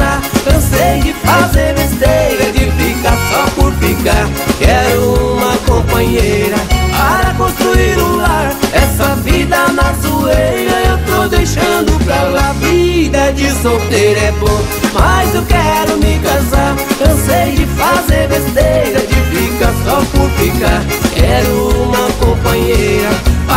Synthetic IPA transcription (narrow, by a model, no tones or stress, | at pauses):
akɐ̃sejd͡ʒɪfazeɾvest̪ejɾɐd͡ʒɪfikasɔpʊɾfikaɾ | kɛɾʊumɐkõpɐ̃ɲejɾɐpaɾɐkõst̪ɾuiɾʊlaɾɛsɐvid̪ɐnazuejɾɐewt̪owd̪ejʃɐ̃d̪ʊpɾaavid̪ɐd͡ʒɪsot̪eɾɛpõ | mazewkɛɾʊmɪkãzaɾkɐ̃sejd͡ʒɪfazeɾvest̪ejɾɐd͡ʒɪfikɐsɔpʊɾfikaɾ | kɛɾʊũmɐkõpɐ̃ɲejɾɐ